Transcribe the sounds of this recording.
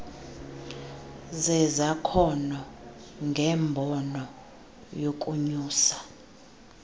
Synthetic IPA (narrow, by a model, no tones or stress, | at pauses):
zɛzakʰɔnɔŋɡʱɛːmbʱɔnɔ | jokʼuɲuːsḁ